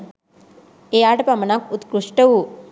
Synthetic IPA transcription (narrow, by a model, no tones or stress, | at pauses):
eaʈpɐmɐnakut̪kɾuʂʈəwu